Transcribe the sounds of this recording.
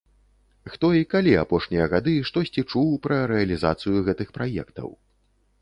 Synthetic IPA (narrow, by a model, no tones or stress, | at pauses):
xt̪ɔikalʲiapɔʂnʲijɐɣad̪ɨʂt̪ɔsʲt͡sʲit͡ʂuwpɾɐɾɛɐlʲizat̪sɨjuɣɛt̪ɨxpɾajɛ̰kt̪ɐ̰w